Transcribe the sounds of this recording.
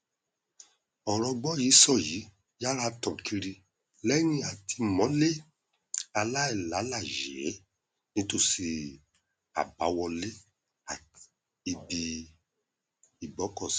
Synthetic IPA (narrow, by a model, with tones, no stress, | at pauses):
ɔ˨ɾ̃ɔ̃˧ɡ͡bɔ˦ji˨˦sɔ˦˨ji˨˦ | ja˦ɾa˦tɔ̃˨kʰi˧ɾi˧ | lɛ˦nĩ˦a˨tʰi˧mɔ̃˨˦le˦ | a˧la˦ɛ˦˨la˨˦la˦˨ʒɛ˨˦ | nĩ˦to˦˨si˧ | a̰˨ba˨˦wɔ˧le˦ | a˨ | i˨bi˧ | i˨bɔ˨˦kɔ˦˨s